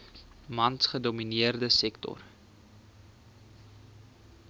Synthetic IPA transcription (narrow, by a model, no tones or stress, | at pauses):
mɐntχədominiərdəsɛktɔ̰r